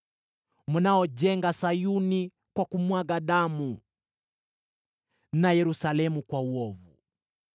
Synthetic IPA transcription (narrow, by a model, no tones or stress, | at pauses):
munaɔʄɛŋɡasajuni | kwakumwaɡaɗamu | najɛɾusalɛmukwauɔvu